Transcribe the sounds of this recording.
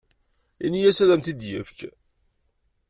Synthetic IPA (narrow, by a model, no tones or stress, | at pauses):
inijæsæðæmt̪id̪jə̰ft͡ʃ